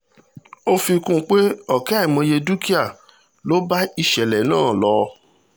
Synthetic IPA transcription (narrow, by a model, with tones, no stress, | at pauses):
o˦fi˧kũ˦k͡pe˦ɔ˦˨kɛ˦i˨mɔ̃˧je˧du˦ki˦a˦˨ | lo˦ba˦i˦˨ʃɛ˨lɛ˨nãː˦˨lɔ˧˦